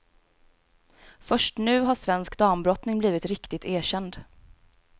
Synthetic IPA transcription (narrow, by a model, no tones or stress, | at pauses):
fœʂʈnʉ̟ːɦaʂvɛnskd̪ɑːmbɾɔt̪nɪŋbliːvɪt̪ɾɪkt̪ɪt̪ʰeːɕɛnd̪